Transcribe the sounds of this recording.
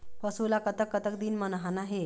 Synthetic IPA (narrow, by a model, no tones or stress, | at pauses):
pəsulakət̪əkːət̪ək̚d̪iːnmənɦanaɦe